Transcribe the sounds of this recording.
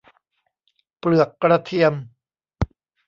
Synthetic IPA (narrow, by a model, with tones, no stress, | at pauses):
pɾɯ˨˩əkːɾa˧t̪ʰi˧əm